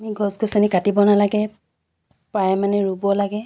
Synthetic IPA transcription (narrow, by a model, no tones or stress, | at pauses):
amiɡʱɔsɡɔsɔnikatibɔnalaɡɛ | pajɛmanɛɹubɔlaɡɛ